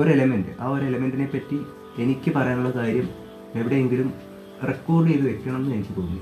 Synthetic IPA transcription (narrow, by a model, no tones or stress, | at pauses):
o̞ɾelɐmendɨ̰ʔaːo̞ɾeelɐme̞ndine̞pːɐtːi | e̞nikʲːɨpɐrɐjaːnuɭːɐkaːɾjɐm | e̞ʋiɽe̞jeŋɡilum | rekːo̞ːrɖɨiðɨʋe̞kʲːɐɳɐme̞nːɨnejt͡ɕːɨpoːɣunː